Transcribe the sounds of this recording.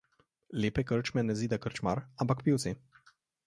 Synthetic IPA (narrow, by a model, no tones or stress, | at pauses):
lepekəɾt͡ʃmɛnezid̪akəɾt͡ʃmaɾambakpiwt͡s̪e